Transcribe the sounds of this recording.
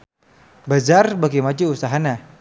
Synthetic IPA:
bad͡ʒarbaɡimad͡ʒuusaɦana

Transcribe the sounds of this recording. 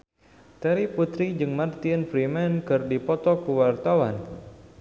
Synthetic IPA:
t̪ɛɾiput̪ɾid͡ʒɨŋmart̪infɾimɛnkɨrdipɔt̪ɔkuwart̪awan

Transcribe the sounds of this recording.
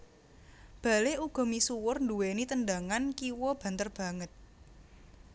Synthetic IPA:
b̥a̤leuɡ̥ɔ̤misuwʊrnduwenit̪əndaŋankiwɔb̥ä̤nt̪ərb̥ä̤ŋət̪̚

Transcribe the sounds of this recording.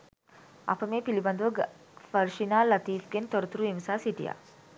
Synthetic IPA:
ʔɐ̰pəmeːpilibɐnd̪uʋɐɡ | ʋɐɾʃinaːlɐt̪iːfɡent̪oɾɐt̪uɾuiʋɐsaːsiʈḭja̰ː

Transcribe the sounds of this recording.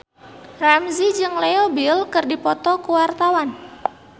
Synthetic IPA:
ramzid͡ʒɨŋlɛobilkɨrdipɔt̪ɔkuwart̪awan

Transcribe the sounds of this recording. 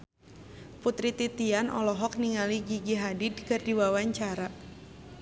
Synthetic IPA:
put̪ɾit̪it̪ianʔɔ̰lɔɦɔk̚niŋaliɡiɡiɦadidkɨrdiwawaɲt͡ʃaɾa

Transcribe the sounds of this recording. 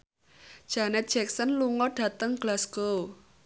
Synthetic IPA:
d̥ʒ̥anɛt̪̚ʒ̥ɛk̚sənluŋɔɖ̥ä̤t̪əŋɡ̥lasɡ̥o

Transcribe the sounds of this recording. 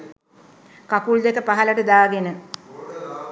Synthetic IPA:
kakuld̪ekəpaɦɐləʈəd̪aːɡenə

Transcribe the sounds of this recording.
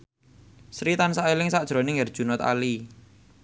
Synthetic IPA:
sɾit̪ansaelɪŋsad̥ʒ̥ɾonɪŋɛrd̥ʒ̥ṳnɔt̪a̰li

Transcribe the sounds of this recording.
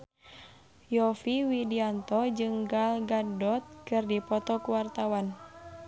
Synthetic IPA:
jɔfiwidiant̪ɔd͡ʒɨŋɡalɡadɔt̪̚kɨrdipɔt̪ɔkuwart̪awan

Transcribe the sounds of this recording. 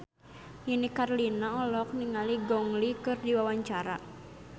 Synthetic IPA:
jinikarlinaɔlɔk̚niŋaliɡɔŋlikɨrdiwawaɲt͡ʃaɾa̰

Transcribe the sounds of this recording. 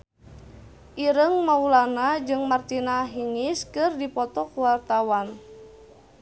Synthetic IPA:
ʔiɾəŋmaulanad͡ʒɨŋmart̪inaɦiŋiskɨrdipɔt̪ɔkuwart̪awan

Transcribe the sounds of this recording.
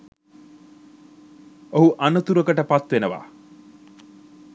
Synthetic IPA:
oɦuʔanət̪uɾəkəʈəpat̪ʋenəʋa̰ː

